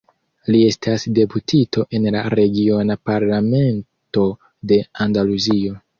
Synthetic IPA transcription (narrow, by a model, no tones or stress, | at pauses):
lie̞stʰasde̞putʰitʰo̞ʔe̞nla̰ɾe̞ɡio̞napaɾlame̞n | to̞ | de̞andaluzio̞